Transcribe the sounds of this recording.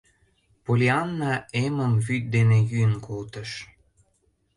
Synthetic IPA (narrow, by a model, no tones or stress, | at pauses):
polʲiɑnːɑeməmvyt̪̚d̪enejynkolt̪əʃ